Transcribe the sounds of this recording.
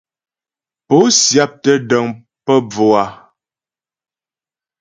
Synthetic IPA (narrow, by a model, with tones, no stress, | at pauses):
po˨˦sja˦p̚tə˦də˨ŋ | pə˦b͡vo˨a˨